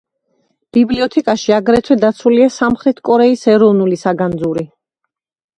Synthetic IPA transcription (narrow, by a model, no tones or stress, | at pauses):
b̥ibliɔt̪ʰɛkʼaʃiaɡɾɛt̪ʰwɛd̪at̪sʰuliasamχɾɛt̪ʰkʼɔɾɛisɛɾɔvnulisaɡand̪zuɾi